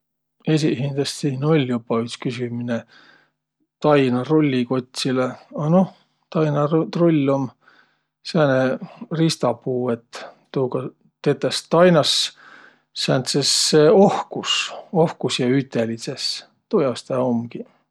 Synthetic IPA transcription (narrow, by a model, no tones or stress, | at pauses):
es̬ʲihind̪ɑst̪siːno̞lʲjupːɑyt̪skysʲimine | t̪ɑjnɑrolʲːiko̞t̪ʲsileɑno | t̪ɑjnɑrt̪rolʲːom | sæːnerist̪ɑpuːet̪ː | uːkɑ | t̪et̪ːˑest̪ɑjnɑs | sæːnt̪sesːeohkuso̞hkusjɑyt̪ːˑelises | t̪ojɑst̪æːo̞mɡi